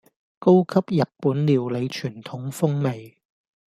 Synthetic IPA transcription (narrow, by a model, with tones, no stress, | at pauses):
ko˥wkʰɐ˥p̚jɐ˨t̚puː˨˥nliː˨˧wle˨˧jt͡ʃʰyː˨˩nt̪ʰʊ˨˥ŋfʊ˥ŋme˨j